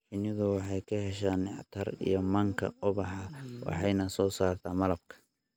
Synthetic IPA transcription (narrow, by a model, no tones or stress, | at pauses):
ħɪnɪðʊwɑħɑjkʰɐɦɛʃaːnːɪħt̪ʰɐrḭjɔmɐŋkʰɐ̰ʊβɑħɑwɑ̰ħɑjnɐsɔːsaːrt̪ʰaːmɐlɐb̚kʰɐ̥